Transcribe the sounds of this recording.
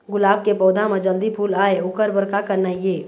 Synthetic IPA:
ɡʊlaːb̚kepɔːd̪ʱamed͡ʒəld̪ipʰuːlaeokəɾbəɾkakəɾnaije

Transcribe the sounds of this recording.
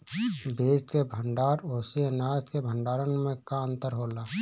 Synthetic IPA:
beːd͡ʒkebʱə̃ɳɖaːɾoːsenaːskebʱə̃ɳɖaːɾənmẽkaənt̪əɾɦoːlaː

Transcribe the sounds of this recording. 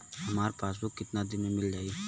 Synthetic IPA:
ɦɐmaːɾpaːs̬bʊkːɪt̪nad̪ɪmẽmɪld͡ʒaːiː

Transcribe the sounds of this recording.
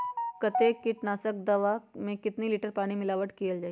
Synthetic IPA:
kɐt̪ekɪʈnaːsək̚d̪ɐʋamẽkɪt̪niliːʈəɾpaːɽ̃imɪlaːʋəʈkijəld͡ʒaː

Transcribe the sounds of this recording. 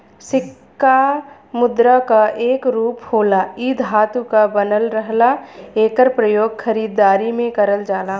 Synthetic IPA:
sɪkː | a | mʊd̪ɾakaʔeːkɾuːphoːlaiːd̪ʱɦaːt̪ukabənəlɾəɦlaeːkəɾpɾəjoːɡkʰəɾiːd̪ːaːɾimẽkəɾəld͡ʒaːla

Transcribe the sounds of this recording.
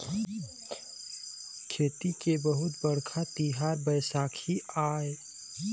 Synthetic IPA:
kʰeːt̪ikebəɦʊt̪bəɽkʰat̪iɦaːɾbəjsaːkʰiaːe

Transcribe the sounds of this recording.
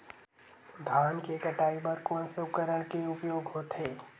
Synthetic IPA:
d̪ʱaːnkekəʈaːibəɾkoːnsokəɾəɽkeʊpjoːɡɦoːt̪ɦeː

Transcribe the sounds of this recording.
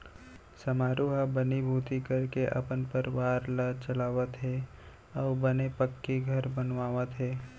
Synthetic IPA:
sɐmaːɾuɦabənibʱuːt̪ikəɾkeʔɐ̰pənpəɾʋaːɾlat͡ʃəlaːʋət̪ɦɛ | ɔːɾbənepəkːiɡʱɐɾbənʋaːʋət̪ɦɛː

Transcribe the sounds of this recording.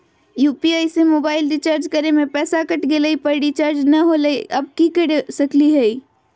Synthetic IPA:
juːpiaːɪsemoːbaːɪlɾit͡ʃaːɾd͡ʒkəɾemẽpɛːsakəʈɡeləipəɾɖit͡ʃaːɾd͡ʒnəɦoləʔɐb̚kikəɾesəkliɦɛi

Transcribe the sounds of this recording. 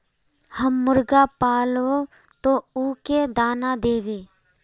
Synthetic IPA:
həmːʊɾɡapaːloː | t̪oːuːked̪aːnad̪eːʋeː

